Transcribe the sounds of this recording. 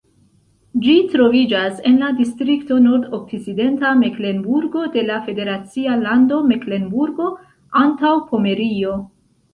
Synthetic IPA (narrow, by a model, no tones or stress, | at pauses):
d͡ʒitɾo̞vid͡ʒase̞nladistɾikto̞no̞ɾdok̚t͡sit͡side̞ntamekle̞nbuɾɡo̞de̞lafe̞de̞ɾat͡sialando̞mekle̞nbuɾɡo̞ | antawpo̞me̞ɾio̞